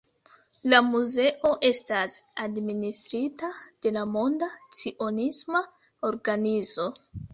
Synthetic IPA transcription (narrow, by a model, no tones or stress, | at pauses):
lamuze̞ʔo̞ʔe̞stasadministɾitad̥e̞lamo̞ndat͡siʔo̞nisma | o̞ɾɡanizo̞